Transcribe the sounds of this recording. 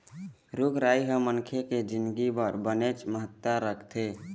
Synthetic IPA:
ɾuɡɾaiɦəmənkʰeked͡ʒind̪ɡibəɾbənet͡ʃməɦət̪ːaɾəkʰt̪ʰe

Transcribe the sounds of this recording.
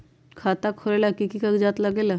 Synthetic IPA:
kʰaːt̪akʰoɾelakikikɐkd͡ʒaːt̪lɐɡeːla

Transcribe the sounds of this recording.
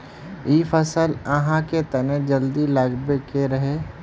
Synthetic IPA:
iːfʰəsələɦãket̪ɐned͡ʒəld̪ilaɡbekeɾɐɦe

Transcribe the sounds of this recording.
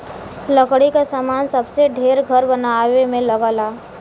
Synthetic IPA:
ləkɽikasaːmaːnsəbseɖʱeːɾɡʱəɾbənawemẽləɡəlaː

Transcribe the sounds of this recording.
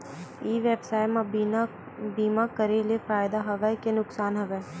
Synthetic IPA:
iːʋeːbsaːɪma | biːmakəɾelefaːjɪd̪aɦɐʋəkenʊksaːnɦɐʋɛ

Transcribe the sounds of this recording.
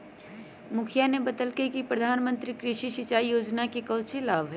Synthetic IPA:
mʊkʰijanebɐd̪əlkekipɾɐd̪ʱaːnmə̃nt̪ɾikɾɪʃiʃɪt͡ʃaːijoːd͡ʒnakikɐlt͡ʃelaːbɦɛ

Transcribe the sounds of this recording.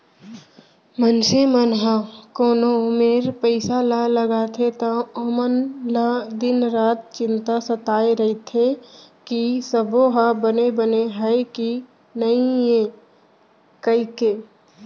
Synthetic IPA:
mənsemənɦakoːnomeːɾpəɪsalaləɡaːt̪ʰet̪aomənlad̪ɪnɾaːt̪̚t͡ʃɪ̃nt̪asət̪aːeɾɐɦit̪ʰekisəboɦabənebəneɦəeki | nəɦĩẽ | kəikeː

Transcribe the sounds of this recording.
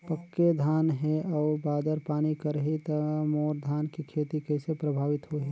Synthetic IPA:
pəkːed̪ʱaːnɦɛɔːɾbaːd̪əɾpaːnikəɾɦit̪ɐmoːɾd̪ʱaːnkikʰeːt̪ikɛɪsepɾəbʱaːʋɪt̪ɦoɦe

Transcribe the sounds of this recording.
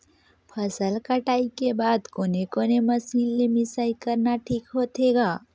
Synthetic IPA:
pʰəsəlkəʈaːikebaːd̪koːnekoneməsiːnlemisaikəɾnaʈʰikɦot̪eɡa

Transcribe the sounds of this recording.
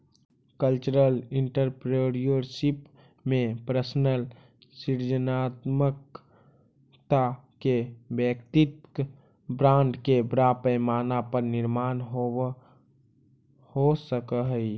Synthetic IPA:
kəlt͡ʃəɾəlɪɳʈəɾpɾeɾijoɾsip | mẽpɾəsnəl | siɾd͡ʒənaːt̪mək̚ | t̪akebjəkt̪ɪt̪̚ | bɾãːɳɖkebɾapəjmaːnapəɾnɪɾmaːnɦo | hosəkəɦəi

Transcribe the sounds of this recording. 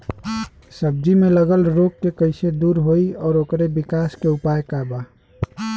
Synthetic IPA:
səb̚d͡ʒimeləɡəlɾoɡkekəɪsed̪uɾɦoiɔːɾokɾebikaskeupajkaba

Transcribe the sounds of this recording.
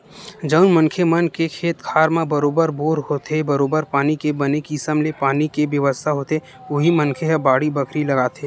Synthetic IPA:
d͡ʒəʊnmə̃ŋkʰemɐnkekʰeːt̪kʰaːɾmãbɐɾoːbəɾboːɾɦoːt̪ebɐɾoːbəɾpaːnikebɐnekisəmlepaːnikeʋjəʋəst̪ʰaɦoːt̪e | ʊɦimə̃ŋkʰeɦɛbaːɽibəkʰɾilɐɡaːt̪eː

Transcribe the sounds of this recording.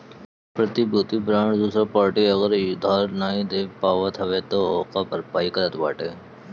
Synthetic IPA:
pɾət̪ibuːt̪ibɾãːɳʈd̪uːsɾapaːɾʈiɐɣəɾjʊd̪ʱaːɾnaːĩd̪eːpaːʋat̪ʰɐʋet̪oɔːqapəɾpaːikəɾət̪baːʈeː

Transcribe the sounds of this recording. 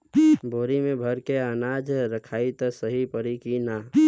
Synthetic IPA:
bʱoːɾimẽbʱəɾkeanaːd͡ʒɾəkʰaːit̪ɔsəɦipəɾikinaː

